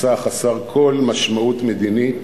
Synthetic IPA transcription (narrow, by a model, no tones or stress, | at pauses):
aχasaʁkʰo̞lmaʃmaut̪med̪ini